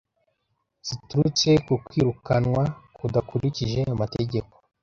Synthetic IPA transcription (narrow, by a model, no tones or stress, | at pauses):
z̥ituɾut͡se̞kukwiːɾukanwakudakuɾiciʒe̞amateɟe̞ko̥